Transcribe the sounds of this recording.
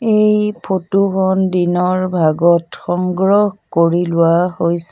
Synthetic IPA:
ejpʰotuxɔndinɔɹbʱaɡɔtxɔŋɡɹɔhkoɹilʊwahojsɛ

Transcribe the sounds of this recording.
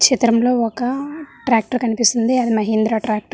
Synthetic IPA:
t͡ʃit̪ɾɐmlo̞ːɔkɐʈɾaːk̚ʈɐɾkɐnipist̪ind̪iɐd̪imɐɦind̪ɾaːʈɾaːk̚ʈɐ

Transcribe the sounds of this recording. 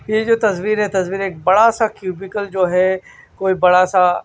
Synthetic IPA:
jed͡ʒoːt̪ɐzʋiːɾɦɛt̪ɐsʋiːɾeːk̚bɐɽasakjuːbɪkəld͡ʒoːɦɛ | koːibɐɽasa

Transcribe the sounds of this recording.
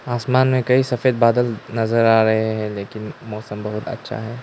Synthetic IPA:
aːsmaːnmẽkɐisɐfeːd̪̚baːd̪əlnɐzəɾaːɾɐɦeɦɛ̃leːkɪnmɔːsəmbɐɦʊt̪ɐ̰tːʃʰa̰ɦɛː

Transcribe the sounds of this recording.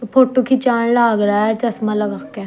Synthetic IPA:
pʰoːʈokʰit͡ʃaːnlaːɡɾaɛt͡ʃəsmaləɡakːɛ

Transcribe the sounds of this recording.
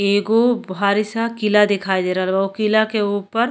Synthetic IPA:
eːɡobʱaːɾɪsakɪlad̪ɪkʰaːid̪eːɾalʋaokɪlakeuːpəɾ

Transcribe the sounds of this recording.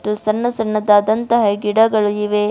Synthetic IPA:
t̪ːusɐnːɐsɐnːɐd̪ɐːd̪ɐnt̪ɐɦɐɡiɽɐɡɐɭuiʋe

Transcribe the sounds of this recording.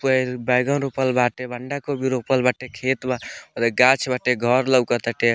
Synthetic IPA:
pəebajɡnɾopəlbaʈebəɳɖakobiɾopəlbaʈekʰet̪baəd̪eɡat͡ʃʰbaʈeɡʱɔɾləwkət̪əʈe

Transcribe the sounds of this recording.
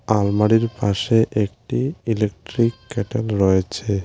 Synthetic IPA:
almaɽiɾpaʃeʔek̚ʈiilek̚ʈɾikːɛʈelɾɔjet͡ɕʰe

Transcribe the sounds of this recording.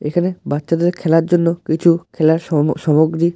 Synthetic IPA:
ekʰanebatːʃad̪eɾkʰɛlaɾd͡ʑonːokit͡ɕʰukʰɛlaɾʃɔmoɡɾi

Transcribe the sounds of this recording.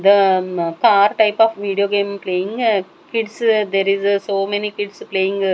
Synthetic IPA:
d̪əkaːɾʈɐɪpɔfʋiːɖijoːɡeːmpleːɪ̃ŋ | kɪɖsd̪ɛɾɪzsoːmɛnikɪɖspleːɪ̃ŋɡ

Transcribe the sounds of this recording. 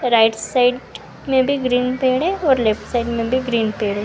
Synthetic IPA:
ɾaːɪʈsaɪɖ | mẽbʱiɡɾiːnpeːɽẽɔːɾleːpʈsaɪɖmẽbʱiɡɾiːnpeːɽẽ

